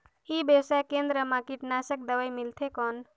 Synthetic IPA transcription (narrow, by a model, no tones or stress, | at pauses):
ibjewsajkẽnd̪ɾəmãkiʈnasək̚d̪əʋəjmilt̪ʰekɔn